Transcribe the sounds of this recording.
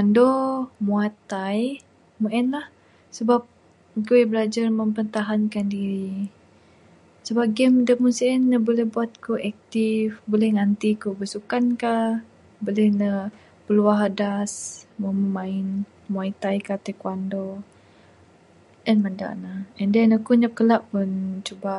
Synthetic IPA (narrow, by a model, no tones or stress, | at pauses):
andomuat̪aj | muʔɛnlah | səbap̚ | kuɛbəlad͡ʒarməmpənt̪aɦankandiɾi | səbap̚ɡɛmdəmunsiɛnːəbolɛhbuat̪̚kuʔɛk̚t̪ifbolɛhŋant̪ikubəsukanka | bolɛhnə | pəluaɦadasmoməmaɪn | mait̪ajkat̪ekwando | ɛnmənda̰ʔnaɛndɛnakuɲap̚kəlaʔːunt͡ʃuba